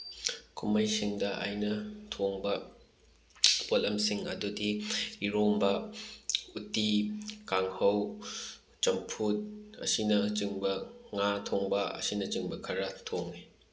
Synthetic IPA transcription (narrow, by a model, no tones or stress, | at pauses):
kʰumɐjsiŋdɐʔa̰jnɐtʰoŋbɐ | polɐmsiŋɐ̰dudiːɾombɐ | utikaŋhɐw | t͡ʃɐmpʰut̚ɐ̰sinɐt͡ʃɯŋbɐŋatʰoŋbɐɐ̰sinɐt͡ʃɯŋbɐkʰɐɾɐtʰoŋni